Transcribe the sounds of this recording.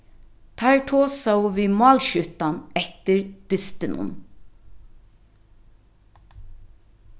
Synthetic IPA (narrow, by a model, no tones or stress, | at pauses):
t̪ʰæɹʈʰoːsawʋiːmɑːlʃʏt̪anɛht̪ɪɹd̪̥ʏst̪ɪnʊ̰n